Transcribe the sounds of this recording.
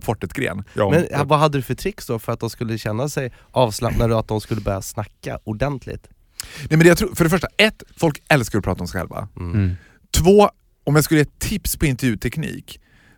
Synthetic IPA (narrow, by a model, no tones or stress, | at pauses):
kʰvɔʈːɛt̪ɡɾḛːnmɛnvaɦad̪ːəd̪ɵfœʈʰɾɪkːsd̪ɔfœɾat̪̚d̪ɔmskɵlːəɕɛnːasɛjʔɑːvslapnaɖat̪̚d̪ɔmskɵlːəbœɾjasnakːa̰ʊɖɛnt̪ʰlɪ̰t̪ | nɛmɛnjat̪ʰɾuːfœɖɛfœʂʈaɛt̪ːfɔlkɛlskaɾɔpʰɾɑːt̪aɔmsɛɪɧɛ̰lva̰ | t̪ʰvoː | ɔmjaɡskɵləjeːt̪ʰːɪpspʰɔɪnt̪ɛɾjʉ̟ːt̪ʰɛknḭːk